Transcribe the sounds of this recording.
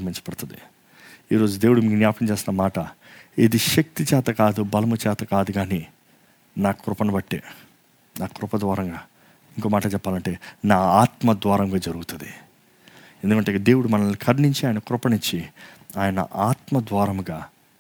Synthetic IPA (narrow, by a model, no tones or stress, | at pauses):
miɲt͡ʃɐ̥pɛɽt̪und̪ḭ | iːɾo̞ːd͡ʒud̪eːwuɽumiːɡunjaːpɐmt͡ʃeːsinɐmaːʈɐed̪iʃɐk̚t̪it͡ʃɛːt̪ɐkaːd̪ubɐlɐmut͡ʃɛːt̪ɐkaːd̪uɡaːniː | naːkɾʊpɐnubɐʈːḛː | naːkɾʊpɐd̪ʋaːɾɐŋɡaː | iŋkoːmaːʈɐt͡ʃɛpːaːlɐɳʈe̞ːnaːaːt̪mɐd̪ʋaːɾɐmɡaːd͡ʒɐɾuɡut̪und̪i | end̪ukɐɳʈed̪e̞ːwuɽumɐnɐlikʰɐɾniɲt͡ʃiaːjɐnɐkɾʊpɐnit͡ʃːi | aːjɐnɐ̰ʔaːt̪mɐd̪ʋaːɾɐmɡaː